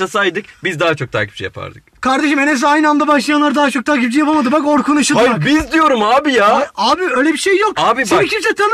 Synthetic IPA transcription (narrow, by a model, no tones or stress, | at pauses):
asajd̪ɯk̚bizd̪aɦat͡ʃʰo̞k̚t̪ʰa̰ːkcʰi̥p̚d͡ʒɛja̰pʰa̰ɾd̪ɯkkʰaɾd̪e̞ʃɯmenes̬iajnɯand̪abaʃlˠajanˠaɾɯd̪aɦat͡ʃʰo̞k̚t̪ʰaːkcip̚d͡ʒijapalˠmad̪ɯbakoɾkʰunɯʃɯabizd̪ijo̞ɾumaːbijaaːbiø̞ːjlʲɛbiʃejːo̞kaːbiakʰip̚t͡ʃɛt̪ʰan